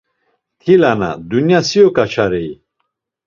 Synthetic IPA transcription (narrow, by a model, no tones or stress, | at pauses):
t̪ʰilana̰d̪unjasiɔkʼat͡ʃʰaɾɛi